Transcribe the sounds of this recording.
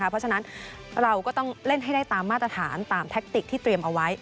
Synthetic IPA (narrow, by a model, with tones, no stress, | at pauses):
a˦˥pʰɔ˦˥a˧na˦˥n | ɾa˧wkɔː˥˩t̪ɔ˥˩ŋle˥˩nɦa˥˩jdaː˥˩jt̪aː˧mːaː˥˩t̪ɾa˧t̪ʰaː˩˦nt̪aː˧mt̪ʰe˦˥k̚t̪i˨˩k̚t̪ʰiː˥˩t̪ɾi˧əmʔa˧wa˦˥j